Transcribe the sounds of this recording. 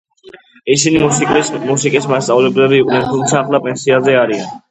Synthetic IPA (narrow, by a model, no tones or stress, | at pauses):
isinimusikʼismast̪sʼavlɛblɛbiːqʼnɛnt̪ʰumt̪sʰaːχlˠapʼɛnsiazɛaɾian